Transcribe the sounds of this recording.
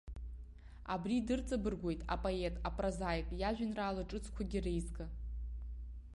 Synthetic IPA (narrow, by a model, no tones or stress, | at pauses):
a̰bridɨrt͡sʼabɨrɡʷo̞jtʼa̰pʼoe̞tʼapʼrazajkʼjaʒᶣanraːlɨʈ͡ʂʼɨt͡sʰkʷʰaɡʲirejzkʼa